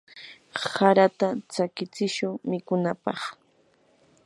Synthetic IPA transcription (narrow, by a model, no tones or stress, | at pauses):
saɾat̪at͡sakɪt͡sɪʃʊŋmɪkʊnapɑ̰χ